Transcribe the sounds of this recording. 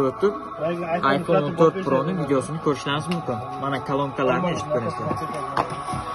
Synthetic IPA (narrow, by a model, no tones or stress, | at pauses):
ɾt̪ʰup | ajfonont̪ʰø̞ɾt̪̚pɾonuvid̪ejo̞sunykʰʲø̞ɾyʃɛnizmumkʰʲyn | manakʰalˠomkʰalˠaɾnieʃp̚kʰʲøɾisɪ